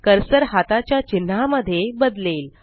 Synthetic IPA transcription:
kəɾsəɾhat̪at͡ɕjat͡ɕin̤ːaməd̪ʱːjebəd̪leːl

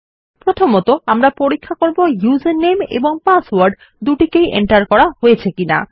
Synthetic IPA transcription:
pɾot̪ʰomɔt̪oamɾapoɾikʰːakoɾbojuzenːemḛboŋpaswaɾɖ | d̪uʈikejḛɳʈaɾkɔɾaɦojet͡ɕʰekina̰

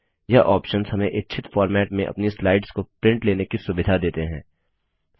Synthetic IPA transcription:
jɐʔɔːpʃənzɦɐmẽʔɪtːt͡ʃʰɪt̪fɔːɾmɛːʈmẽʔɐ̰pnislaːɪɖskopɾɪ̃ɳʈleːnekisʊbɪd̪ʱad̪eːt̪eɦɛ̰̃ː

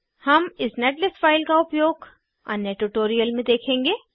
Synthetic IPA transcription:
hɐmɪsneːʈlɪsfaːɪlkaʊpjoːɡ | ɐ̰njəʈuʈoːɾijəlmẽd̪eːkʰẽːŋɡeː

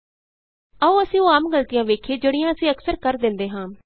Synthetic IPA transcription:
əũːəsĩːoːaːmɡəlt̪ɪjãːʋeːkʰeːd͡ʒəɽɪjãːəsĩːəksəɾkəɾd̪ɪ̃nd̪eːɦãː

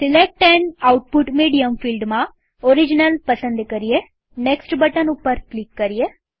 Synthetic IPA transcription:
sɪlek̚ʈɛɳɐʊʈ̚pʊʈmiːɽijɐmfiːlɖmãː | ɔɾɪd͡ʒɪnɐlpɐsɐnd̪ɯkɐɾɪjɐ | neksʈbɐʈɐnʊpːɐɾklɪkːɐɾɪjɐ

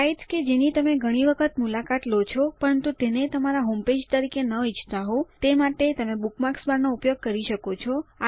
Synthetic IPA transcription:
aiʈked͡ʒenit̪əmeɡʱəɽ̃iʋəkʰət̪mulakat̪lot͡ʃʰɔpəɾənt̪ut̪enet̪əmaɾaɦomped͡ʒt̪əɾikenəit͡ʃt̪aɦot̪emaʈet̪əmebukmaksbaɾnoupjoɡ̚kəɾiʃəkot͡ʃʰɔa

